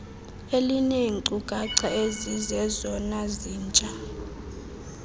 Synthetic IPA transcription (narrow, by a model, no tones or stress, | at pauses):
elineŋǀʼuɡ̥ʼʱaǀaezizɛzɔnaziːnt͡ʃʼa